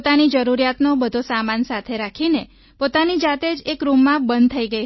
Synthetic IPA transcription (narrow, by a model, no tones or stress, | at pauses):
t̪anid͡ʒəɾuɾjat̪nobəd̪ʱosamansat̪ʰeɾakʰine | pot̪anid͡ʒat̪ed͡ʒekɾumːãbənd̪̚t̪ʰəiɡəj